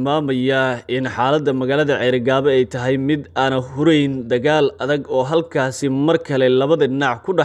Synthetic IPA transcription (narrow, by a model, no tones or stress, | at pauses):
maːmɐjɐɪnħaːlɐd̪ːɐmɐɣaːlɐðɐʕɛɾɪɡaːβɐɛjt̪ʰɐɦɛjmɪd̪aːnɐhʊɾɛjnd̪ɐɣaːlɐðɐɡɔːɦɐlkʰaːsɪmɐrkʰɐlɛlɐβɐðɐdɪnɑʕkʰʊɖɑ